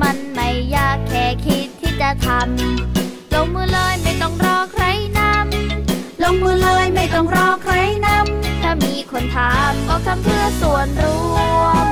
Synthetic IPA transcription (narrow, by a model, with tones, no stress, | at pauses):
ma˧nma˧˩jːaː˧˥˩kʰːɛː˧˩kʰi˦˥t̪ʰːiː˥˩t͡ɕa˨˩t̪ʰa˧m | lo˧ŋmɯː˧lɤː˧jma˥˩jt̪ɔ˥˩ŋɾɔː˥˩kʰɾa˦˥jna˧˥mlo˧ŋmɯː˧lɤː˧jma˥˩jt̪ɔ˥˩ŋɾɔː˧˥˩kʰɾa˦˥jna˧˥˩mt̪ʰaː˧˩miː˧kʰo˧nt̪ʰaː˨˦mkɔː˧˩t̪ʰa˧˥mpʰɯ˥˩əsu˨˩ənɾuː˦˥